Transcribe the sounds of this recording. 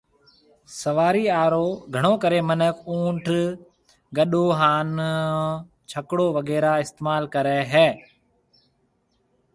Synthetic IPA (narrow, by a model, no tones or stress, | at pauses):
səʋaːɾiːaːɾoːɡʱəɽ̃oːkəɾeːmənəkuːʈʰ | ɡəɗoːɦaːn | t͡ʃʰəkɽoːʋəɡɛːɾaːɪst̪eːmaːlkəɾɛːɦɛː